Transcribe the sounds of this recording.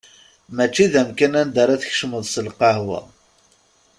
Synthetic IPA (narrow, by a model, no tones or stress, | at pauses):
mæt͡ʃːiðæmkænænd̪əɾˤaθəçʃməðˤsəlqɑhwæ̰